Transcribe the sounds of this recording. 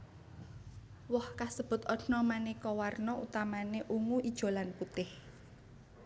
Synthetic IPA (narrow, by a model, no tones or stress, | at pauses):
wɔhkasəb̥ʊ̤t̪ɔdnɔmanikɔwarnɔut̪amaneʔuŋuʔid̥ʒ̥o̤lanput̪ɪh